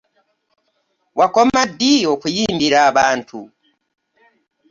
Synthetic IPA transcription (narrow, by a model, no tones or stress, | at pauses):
wʔakomadijokujiːmbiɾaːβaːntʰu